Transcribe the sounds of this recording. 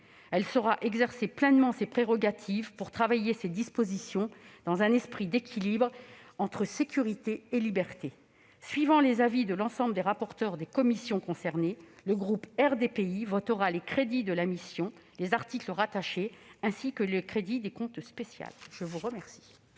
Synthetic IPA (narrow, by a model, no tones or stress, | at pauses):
ɛlsəʁaʔɛɡzɛʁseplɛnmɑ̃sepχeʁɔɡat̪ʰivpuʁt̪χavajesed̪ispozisjɔ̃d̪̥ɑ̃zɛ̃nɛspχid̪ekʲʰilibʁɑ̃t̪χəsekʲyʁit̪eːlibɛʁt̪e | sɥivɑ̃lezavid̪əlɑ̃sɑ̃bləd̪eʁapɔʁt̪œʁd̪ekɔmisjɔ̃kɔ̃sɛʁneləɡʁupɛʁd̪epeivɔt̪əʁalekχed̪id̪əlamisjɔ̃lezaʁt̪ikləʁat̪aʃeɛ̃sikələkχed̪id̪ekɔ̃t̪spesja̰lʒ̥əvuʁəmɛʁsi̥